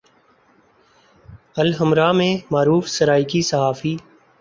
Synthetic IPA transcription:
əlɦəmɾaːmẽːmaːɾuːfsəɾaːikisəɦaːfiː

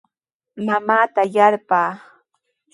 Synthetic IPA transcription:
mamaːt̪ajaɾpaː

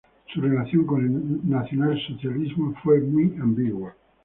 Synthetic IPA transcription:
surelat̪θjoŋkonenat̪sjonalsot͡ʃjalizmofwemwiambiɡwa

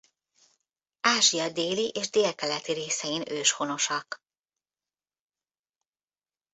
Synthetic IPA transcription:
aːʒijɒd̪eːliʔeːʒd̪eːlkɛlɛt̪iɾeːsɛjinøːʃho̞no̞ʃɒk

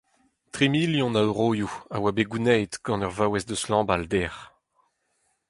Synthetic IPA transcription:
t̪ʁimiljɔ̃naʁoːjuawabeɡunɛjt̪ɡ̥ɑ̃nœʁvawɛsd̪əslɑ̃ːbald̪ɛʁ

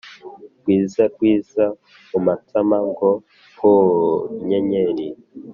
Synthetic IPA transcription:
kwiːzakwiːza | umatʰamaŋɡo | hoɲeɲeɾi

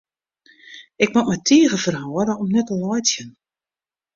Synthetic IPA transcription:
ɪk̚matmɛjtʰiːəɣəfərhɔːəɾəɔmnɛtəlɔjtjən

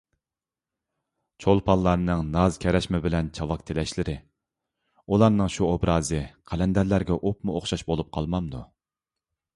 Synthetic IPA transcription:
t͡ʃʰolˠpʰɑlˠlːˠɑɾnɨŋnɑzkʲʰɛɾɛʃmɪbɪlɛnt͡ʃʰɑwɑkt̪ʰelɛʃlɪɾɪ | ulˠɑɾnɨŋʃuobɾɑːzɨqʰælɛnd̪æɾlæɾɡʲɛʔopmuoχʃɑʃbolˠup̚qʰɑlˠmɑmd̪ṵ

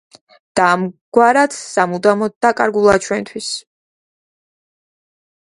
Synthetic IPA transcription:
d̪̥aːmɡ̥waɾat̪ʰsamud̪amɔd̪akʼaɾɡulˠat͡ʃʰwɛnt̪ʰwis

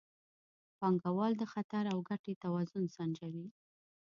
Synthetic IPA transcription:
pɑŋɡawɑld̪əxat̪aɾawɡaʈet̪awɑzʊnsand͡ʒawi

